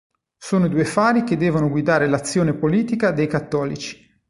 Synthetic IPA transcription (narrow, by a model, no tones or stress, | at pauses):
soːnod̪uːefaːɾiked̪ːɛːvonoɡwid̪aːɾelat̪sːjoːnepoliːt̪ikad̪ejkat̪ːɔːlit͡ʃi̥